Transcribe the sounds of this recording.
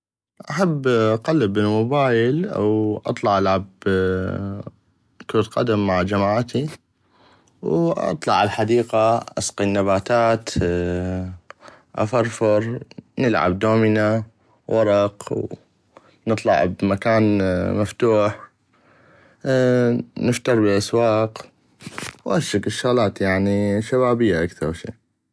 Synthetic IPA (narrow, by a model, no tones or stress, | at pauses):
ʔaħabːʔaqɑlːəbɪlmʊbaːjɪlʔa̰wʔɑ̰t̪ˤlɑʕʔalʕab | koːt̪qɑ̰d̪amːaʕd͡ʒamaːʕt̪i | wʔɑ̰t̪ˤlɑʕalħad̪iːqaʔɑsqinːabaːt̪aːt̪ | ʔa̰fɑɾˤfɪɾˤnɪlʕa̰b̚d̪oːmina | wʔɑɾˤɑqw | nɨt̪ˤlɑ̰ʕbmakaːnmaft̪uːħ | nɪft̪ɑɾˤbəɪlʔaswɑːq | wʔaɾʃɪkɪʃːaɣlaːt̪jaʕniʃaβaːbɪjːaʔakθɑɾˤwʃḭː